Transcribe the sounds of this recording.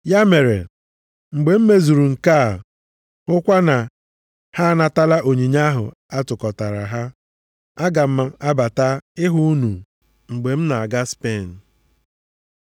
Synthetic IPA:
ja˦me˨ɾḛ˨ | ŋ͡m̩˨ɡ͡be˨m̩˦me˦zu˨ɾu˨ŋ̩˨ka˦˨ | ʊ˦kʷa˦na˨ | ha˦a˦na˨ta˦la˦ʔo˨ɲi˨ɲa˦ɦʊ̰˨ | a˦tʊ˨kɔ˨ta˨ɾa̰˨ɦa˦ | a˦ɡa˨m̩˦a˦a˦ba˨ta˦ɪ˦ɦʊ˦nu˨ | ŋ͡m̩˨ɡ͡be˨m̩˦na˨a˨ɡa˦spe˦˨n̩˨

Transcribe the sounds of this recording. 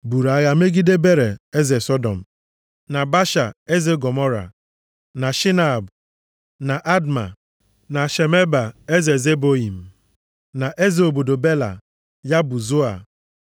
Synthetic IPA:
bu˨ɾa˨˦ɣa˨me˦ɡi˦de˦be˦ɾe˨e˦ze˨sɔ˦dɔ̰˨m̩˨ | na˨ba˦ʃa˨e˦ze˦ɡɔ˨mɔ˦ɾa̰˨ | na˨ʃi˦na˨b | na˨ʔa˦dma̰˨ | na˨ʃe˨me˦ba˨e˦ze˨ze˦bo˦i˨m̩˨ | na˨ʔe˦ze˨o˨bo˨do˨be˦la̰˨ | ja˦bʊ˨zo˦a̰˨

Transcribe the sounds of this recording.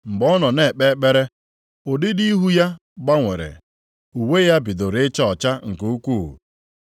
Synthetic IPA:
ŋ͡m̩˨ɡ͡bɔ˦nɔ˨ne˦˨k͡pe˦k͡pe˦ɾe˦ | o˨dɪ˦di˦i˦ɦu˦ja˦ | ɡ͡ba˦ŋʷe˨ɾḛ˨ | u˨we˦ja˦bi˨do˨ɾɪ˦t͡ʃɔ˦ɔ˨t͡ʃa˦ŋ̩˨ku˦u˦kʷu˦˨ɦṵ˨

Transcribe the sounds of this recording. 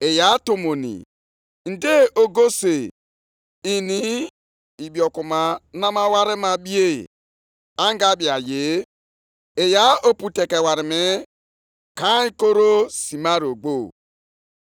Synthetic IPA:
e˨ja˨˦to˨mo˨nḭ˨ | n̩˨de˦ʔo˨ɡo˦se˨ | i˨ni˦ | i˨bi˨ɔ˨ku˨ma˨˦na˦ma˦wa˦ɾɪ˦ma˨bi˦ḛ˦˨ | a˦ŋ˦ɡa˦bi˨a˨je˨˦ | e˨ja˦o˦pu˨te˨ke˨wa˨ɾɪ˨me˦ | ka˦i˦ko˦ɾo˦si˨ma˦ɾi˨o˨ɡ͡bo˦˨

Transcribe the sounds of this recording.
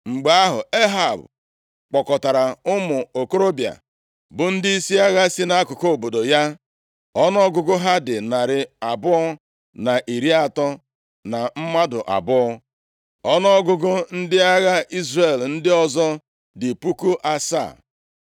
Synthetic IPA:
ŋ͡m̩˨ɡ͡ba˨a˦ɦʊ̰˨e˦ɦa˨b | k͡pɔ˨kɔ˨ta˨ɾa˨ʊ˦mʊ˨o˨ko˦ɾo˦bja̰˨ | bʊ˨n̩˦dɪ˦i˦si˦a˦ɣa˦si˦na˦a˦kʊ˨ko˦o˨bo˨do˨ja˦ | ɔ˦nɔ˦ɡʊ˦ɡʊ˦ɦa˦dɪ˨na˨ɾɪ˨a˨bʊ˦ɔ˦ | na˨ʔi˨ɾi˦a˨tɔ˦ | na˨m̩˦ma˦dʊ˨ʔa̰˨bʊ˦ɔ˦ | ɔ˦nɔ˦ɡʊ˦ɡʊ˦n̩˦dɪ˦a˦ɣa˦i˦zre˨ln̩˦dɪ˦ɔ˦zɔ˦ | dɪ˨pu˦ku˦ʔa˦sa̰˦˨

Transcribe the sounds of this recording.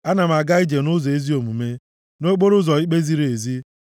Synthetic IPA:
a˦na˨m̩˨a˨ɡa˦i˦d͡ʒe˨nʊ˦zɔ˨e˦zi˦o˨mu˨me˦ | no˦k͡po˦ɾʊ˦zɔ˨i˦k͡pe˦zi˦ɾe˨zi˦

